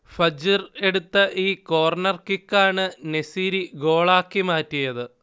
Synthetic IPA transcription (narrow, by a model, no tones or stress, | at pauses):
fɐd͡ʑire̞ɽut̪ːɐʔiːko̞ːrnɐrkikːaːɳɨnesiːɾiɡo̞ːɭaːkːimaːtːijɐðɨ